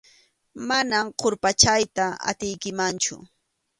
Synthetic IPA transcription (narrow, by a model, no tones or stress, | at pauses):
manamqʰoɾpat͡ʃajt̪aa̰t̪ɪjkɪmant͡ʃʊ̰